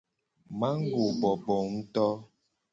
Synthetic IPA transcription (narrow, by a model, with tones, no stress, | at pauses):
ma˦ŋ̩˦ɡo˨bɔ˨bɔ˨n̩˦tɔ˦